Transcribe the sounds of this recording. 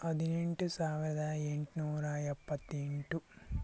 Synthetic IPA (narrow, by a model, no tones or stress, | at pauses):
ɐd̪iniɳʈusaːʋiɾɐd̪aːjeɳʈinuːɾaːjɐpːɐt̪ːiɳʈu